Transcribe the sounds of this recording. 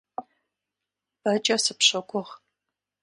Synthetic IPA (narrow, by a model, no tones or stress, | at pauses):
pɐt͡ʃʼɐsɨpɕɐkʷʰɔʁ